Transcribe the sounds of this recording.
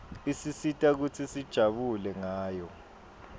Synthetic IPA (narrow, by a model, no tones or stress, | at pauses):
isisitʼak̬ut͡sʰisid̥ʒ̥ʱaɓulɛŋaːjɔ